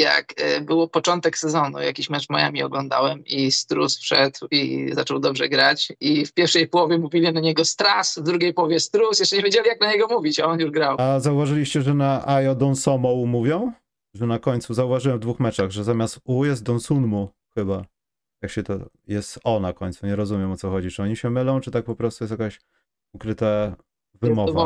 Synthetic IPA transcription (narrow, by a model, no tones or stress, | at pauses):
ja̰kbɘwɔpɔt͡ʂɔnt̪ɛksɛzɔnṵja̰kʲiɕmɛt͡ʂmɔ̰ja̰mʲiɔ̰ɡlɔnd̪a̰wɛmist̪ɾusfʂɛd̪wḭzat͡ʂɔwd̪ɔbʐɛɡɾat͡ɕifpʲjɛɾfʂɛjpɔwɔvʲjɛmuvʲilʲinaɲɛɡɔst̪ɾasvd̪ɾuɡʲejpɔwɔvʲjɛst̪ɾusjɛʂt͡ʂɛɲevjed͡ʑelʲijaknaɲɛɡɔmuvʲit͡ɕaɔnjuʐɡɾawazauvaʐɘlʲiɕt͡ɕɛʐɛnaʔajɔd̪ɔnsɔmɔwmuvʲjɔ̃w̃ | ʐɛnakɔɲt̪suzauvaʐɘwɛmvd̪vuxmɛt͡ʂaɣʐɛzamʲjast̪ujɛst̪̚d̪ɔnsunmu | xɘba | jakɕɛt̪ɔ | jɛst̪ɔnakɔɲʲt̪suɲɛɾɔzumʲɛmɔt̪sɔxɔd͡ʑit͡ʂɨɔɲiɕɛmɘlɔ̃w̃t͡ʂɨt̪ak̚pɔpɾɔst̪ujɛs̬t̪jakaɕ | ukɾɘt̪a | vɨmɔva